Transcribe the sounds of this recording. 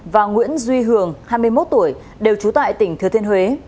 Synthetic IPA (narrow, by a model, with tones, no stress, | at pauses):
vaː˨˩ŋwḭ˧˥ənzwi˧ɦɨ˨˧˩əŋhaː˧jmɨ˧əjmo˦˥t̚t̪u˧˩əj | ɗe˨˩wt͡ɕu˨˦t̪a̰ː˧˨jt̪ï˧˩ŋ̟t̪ʰɨ˨˧˩ət̪ʰnhwe˨˦